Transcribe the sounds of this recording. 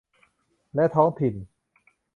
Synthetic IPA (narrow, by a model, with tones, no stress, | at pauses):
lɛ˦˥ʔt̪ʰɔː˦˥ŋt̪ʰi˨˩n